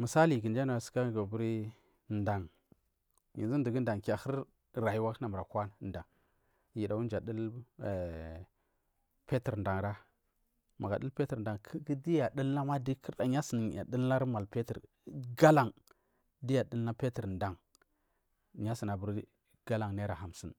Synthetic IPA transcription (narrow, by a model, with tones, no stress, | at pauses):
mə˨sa˦li˨ɡə˨nd͡ʒa˦na˨sə̥˨˦ka˦ɡa˨bu˦ɾi˦ | nda˨ŋ | ji˨zi˦n˦du˨ɡə˦n˦da˨ŋka˨xə˦ɾ | ɾa˨ji˦wa˦na˨mə˨ɾa˨kʷa˦n˨˦nda˨ŋ | ji˨da˨wu˦n˦d͡ʒa˨də˦l | pe˦ti˨ɾnda˨ŋɾa˦ | ma̰˨ɡa˨ɗə˦pe˦tə˨ɾda˨ŋkʰɡi˦di˦ja˨də˦lna˦ma˦di˦kʰi˦ɾɗa˨ɲa˦sə˨n˨a̰˨də˦lna˦ɾma˨lpe˦tə̰˨ɾ | ɡa˦la˨ŋ | di˦ja˨də˦lːa˦pe˦tə˨ɾnda˨ŋ | ɲa˦si˨na˨bu˦ɾ | ɡ̥a˦la˨ŋne˦ɾa˨ɦa˨msi˦˨n